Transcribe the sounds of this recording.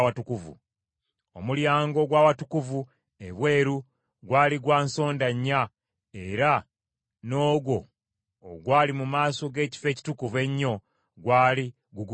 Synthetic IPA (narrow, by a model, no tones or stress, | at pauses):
atukuvṵ | o̞̰muljaːŋɡo̞ɡwaːwatukuvu | e̞βwe̞ːɾu | ɡwaːliɡwaːnso̞ːndaɲːa | e̞ɾa | no̞ːɡwo̞̰ː | ɡwaːlimumaːso̞ɡe̞ːci̥fe̞ːci̥tukuve̞ɲːo̞ | ɡwaːli | ɡuɡ